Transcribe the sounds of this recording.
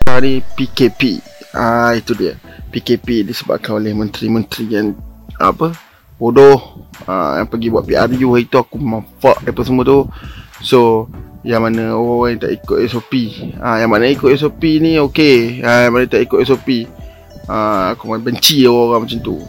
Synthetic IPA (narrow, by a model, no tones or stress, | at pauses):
anipikepiait̪udiə̰ | pikepidisəba̰p̚kanolɪhmə̃nt̪ɾimə̃nt̪ɾijanə̰pə | bodɔhə̰ja̰ŋpəɡibwaʔ̪̚piarjuait̪uakumaɱfa̰ʔdəpəsəmuət̪usojaŋmanəoɣãoɣaŋjŋt̪a̰ʔikʊt̪ɛsopiəjaŋmanaikʊt̪ɛs̬opiniokeajaŋmanat̪aʔikʊt̪ɛsopi | əakumanabəɲt͡ʃioɣaoɣaŋmat͡ʃant̪ṵ